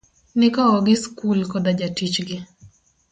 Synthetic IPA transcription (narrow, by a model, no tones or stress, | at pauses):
nɪkaɔɡɪskulkɔd̪ad͡ʒatit͡ʃɡɪ